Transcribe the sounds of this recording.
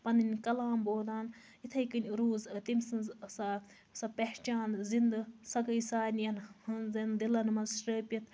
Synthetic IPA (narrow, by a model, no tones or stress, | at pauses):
pɐnɨnʲkɐlaːmboːd̪aːn | it̪ʰɐjkɨnʲɾuːzt̪imsɨnzsɐ | sɐpeht͡ʃaːnzind̪ɐsɐkɐjsaːnʲjɐnhɨnzɐnd̪ilɐnmɐnsʈəːpʲit̪̚ʰ